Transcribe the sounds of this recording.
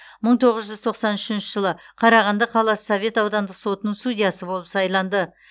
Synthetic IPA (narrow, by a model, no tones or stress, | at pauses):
məɴt̪ʰo̞ʁəzʒʏzt̪ʰo̞qsɑnʏʃɪnʃɪʒəlˠəqʰɑɾɑʁɑnd̪ɑqʰɑlˠɑsove̞t̪ɑwd̪ɑnd̪əqso̞t̪ənəɴst̪udʲijasəbo̞lˠəpsɑjlˠɑnd̪ə